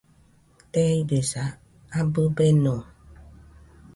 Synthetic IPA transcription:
tɛibesa | abəbɛnɔ

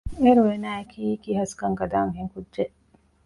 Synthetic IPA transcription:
eɾuwenaːjkʰikihɐskɐŋɡɐd̪aːmhiŋkudd͡ʒeʔ

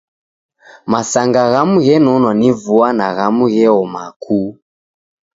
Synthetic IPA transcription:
masaŋɡaɣamuɣɛnɔnwanivuanaɣamuɣɛɔma̰kʰuː

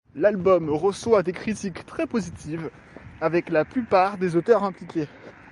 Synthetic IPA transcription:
lalbɔmʁəswad̪ekχit̪ikt̪χɛpozit̪iv | avɛklaplypaːʁd̪ezot̪œʁɛ̃plikʲe

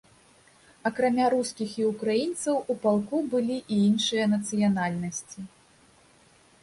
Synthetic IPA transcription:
ɐkɾamʲaɾuskʲixiukɾajint̪sɐwupalˠkubɨlʲiʔiinʂɨjɐnɐt̪sɨjanalʲnɐsʲt͡sʲi

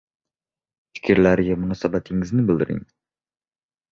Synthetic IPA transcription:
fʰɪ̥kʲʰɪɾlæɾɪɡʲɛmʊnɑsɑbæt̪ʰɪŋɪznɪbɪld̪ɪɾɪ̰ŋ

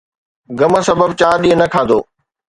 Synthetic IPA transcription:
ɡɐməsɐbəb̚t͡ɕaːɗĩːɦə̃nɐkʰaːd̪o̰ː

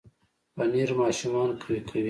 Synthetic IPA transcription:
bɐniɾmɑːʃumɑːnkʰwikʰɐwi

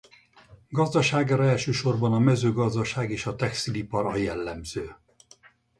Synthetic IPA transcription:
ɡɒzd̪ɒʃaːɡaːɾɒɛlʃøːʃo̞rbɒnɒmɛzøːɡɒzd̪ɒʃaːɡeːʃɒt̪ɛkst̪ilipɒɾɒjɛlːɛmz̥øː

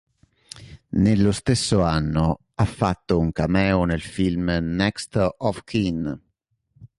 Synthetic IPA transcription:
nelːost̪esːoanːo | afːat̪ːouŋkamɛːonelfilmnɛkst̪ɔfkʰin

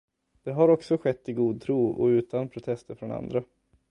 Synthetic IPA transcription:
d̪̥ɛɦaɾɔksɔɧɛt̪ːɪɡuːd̪̚t̪ʰɾuːɔ̰ʉ̟ːt̪anpʰɾʊt̪ʰɛst̪əɾfɾɔna̰nd̪ɾa

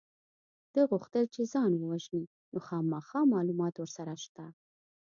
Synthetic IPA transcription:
d̪̥əɣuxt̪əlt͡ʃezɑnwəwaʒni | noxɑmɑxɑmɑlumɑt̪wəɾsaɾaʃt̪a

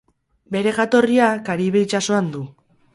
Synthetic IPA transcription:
be̞ɾe̞ɣat̪o̞riakaɾiβe̞it͡ʃaso̞and̪u

